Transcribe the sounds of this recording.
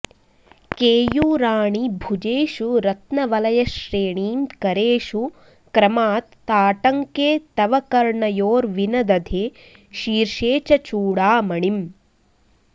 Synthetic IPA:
keːjuːɾaːɳibʱud͡ʒeːʃuɾɐt̪nɐʋɐlɐjɐʃɾeːɳiːmkɐɾeːʃu | kɾɐmaːt̪ː | aːʈɐŋkeːt̪ɐʋɐkɐɾɳɐjoːɾʋinɐd̪ɐd̪ʱeː | ʃiːɾʂeːt͡ʃɐt͡ʃuːɽaːmɐɳim

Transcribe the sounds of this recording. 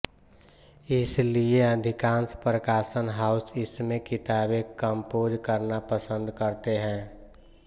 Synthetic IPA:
ɪslieəd̪ʱɪkãːnspɾəkaːsənɦaːʊsɪsmẽkɪt̪aːbekəmpoːd͡ʒkəɾnapəsə̃nd̪kəɾt̪eɦɛ̃ː

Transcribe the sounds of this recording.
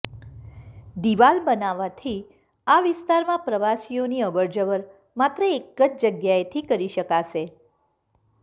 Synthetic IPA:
d̪iʋalbənaʋat̪ʰi | aʋɪst̪aɾmãpɾəʋasijoniəbəɾd͡ʒəʋəɾ | mat̪ɾəekːət͡ʃd͡ʒəɡjaet̪ʰikəɾiʃəkaʃe

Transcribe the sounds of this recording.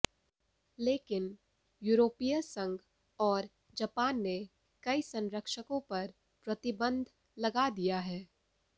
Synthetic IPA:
leːkɪn | juːɾoːpijəsɐ̃ŋɡ | ɔːɾ | d͡ʒɐpaːnːe | kɐisɐ̃nɾəkʃəkõpɐɾ | pɾɐt̪ɪbə̃nd̪ʱ | lɐɡad̪ijaɦɛː

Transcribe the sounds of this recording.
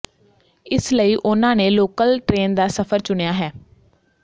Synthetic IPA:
ɪsləiːʔʊnãːneːloːkəlʈɾeːnd̪aːsəpʰəɾt͡ʃʊɳejaːɦɛː

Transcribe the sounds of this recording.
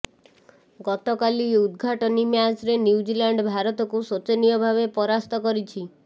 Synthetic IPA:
ɡɔt̪ɔkaliud̪ɡʱaʈɔnimjasɾenuud͡ʒilaɳɖbʱaɾɔt̪ɔkusot͡ʃenijɔbʱaβepɔɾast̪ɔkɔɾit͡ʃʰi

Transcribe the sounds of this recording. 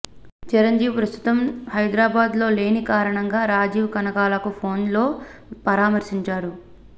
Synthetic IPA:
t͡ʃiɾɐɲd͡ʒiːwpɾɐst̪ʰu̥t̪ɐmhɐjd̪ɾaːbaːd̪lo̞ːle̞ːnikaːɾɐɳɐŋɡaːɾaːd͡ʒiːʋkɐnɐkaːlɐkupʰo̞ːnlo̞ːpɐɾaːmɐɾsiɲt͡ʃaːɾu

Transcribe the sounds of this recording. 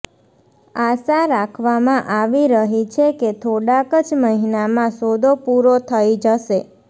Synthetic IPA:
asaɾakʰʋamãʔaʋiɾəɦit͡ʃʰeket̪ʰoɽakəd͡ʒməɦinamãsod̪opuɾot̪ʰəid͡ʒəʃe

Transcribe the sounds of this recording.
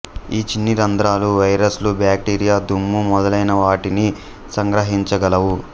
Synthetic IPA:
iːt͡ʃinːiɾɐnd̪ɾaːluʋɐjɾɐslubjaːk̚ʈiːɾijaːd̪ʱumːumɔd̪ɐlɐjnɐʋaːʈini | sɐŋɡɾɐɦiɲt͡ʃɐɡɐlɐwu

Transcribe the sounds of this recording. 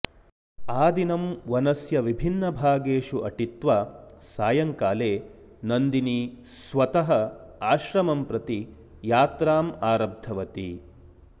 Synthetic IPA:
aːd̪inɐmʋɐnɐsjɐʋibʱinːɐbʱaːɡeːʃuʔɐʈit̪ʋaːsaːjɐŋkaːleː | nɐnd̪inisʋɐt̪ɐɦɐaːʃɾɐmɐmpɾɐt̪i | jaːt̪ɾaːmaːɾɐb̚d̪ʱɐʋɐt̪ḭ

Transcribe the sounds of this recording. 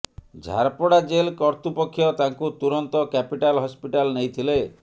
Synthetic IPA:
d͡ʒʱa̰ɾpɔɽad͡ʒelkɔɾt̪upɔkʰːjɔt̪aŋkut̪uɾɔnt̪ɔkɛpiʈalɦɔspiʈalnejt̪ʰile

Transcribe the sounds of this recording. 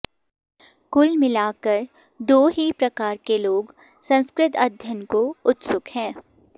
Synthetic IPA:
kʊlmɪlaːkəɾ | ɖoːɦipɾɐkaːɾkeloːɡ | sɐ̃nskɾɪt̪ɐd̪ʱjənkoʊt̪sʊkhɛ̃ː

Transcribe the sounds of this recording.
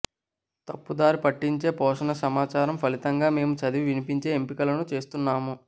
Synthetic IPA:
t̪ɐpːud̪aːɾipɐʈːiɲt͡ʃe̞ːpɔːʂɐnɐsɐmaːt͡ʃaːɾɐmpʰɐlit̪ɐŋɡaːme̞ːmut͡ʃɐd̪iʋʋinipiɲt͡ʃe̞ːempikɐlɐnut͡ʃe̞ːst̪unːaːmu

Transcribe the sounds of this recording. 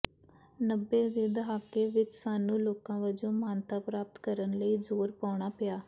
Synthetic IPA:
nəbːeːd̪eːd̪əɦaːkeːʋɪt͡ʃsaːnũːloːkãːʋəd͡ʒõːmaːnt̪aːpɾaːp̚t̪kəɾənləiːzoːɾpaːɳ̃aːpɪaː

